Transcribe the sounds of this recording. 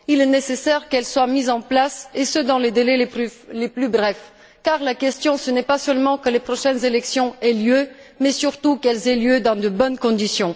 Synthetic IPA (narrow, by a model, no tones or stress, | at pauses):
ilɛnesesɛʁkɛlswamizɑ̃plasesəd̪ɑ̃led̪elɛleyleplybʁɛf | kaʁlakʲɛst̪jɔ̃sənɛpasœlmɑ̃kəlepχɔʃɛnzelɛksjɔ̃ɛljømɛsyʁt̪ukɛlzɛljød̪ɑ̃d̪əbɔnkɔ̃d̪isjɔ̃